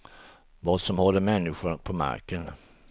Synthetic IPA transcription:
vɑːd̪sɔmhɔlːəmɛnːɪɧʊpʰɔma̰ɾkən

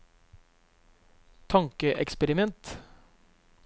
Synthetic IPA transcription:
t̪ʰɑŋkəʔɛ̰kspəɾɪmɛnt̪

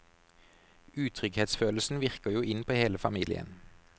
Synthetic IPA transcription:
ʉːt̪ʰʁʏɡheːt̪sføːləsn̩ʋɪʁkəjuːʔɪnpʰoːheːləfɑmiːlɪ̰ə̰n

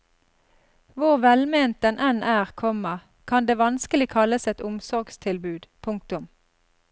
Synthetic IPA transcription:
ʋʊʁʋɛlmeːnt̪ɛnʔɛnʔæːʁkʰɔməʁ | kʰɑnd̪eːʋɑnskəlɪkʰɑləsɛt̪ʊmsɔʁɡst̪ʰɪlbʉːd̪pʰʊŋk̚t̪ʊm

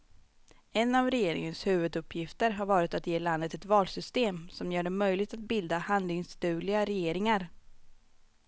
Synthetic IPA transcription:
ɛnːavɾɛjeːɾɪ̰ŋənshʉ̟ːvɵd̪ɵpʰːjɪft̪əɾɦaɾvɑːɾɪt̪at̪jeːland̪ət̪ɛt̪vɑːlsʏst̪eːmsɔmjœːɖɛmœjlɪɡ̚t̪at̪̚bɪld̪ahand̪lɪŋst̪ʉ̟ːlɪɡaɾɛjeːɾɪŋaɾ

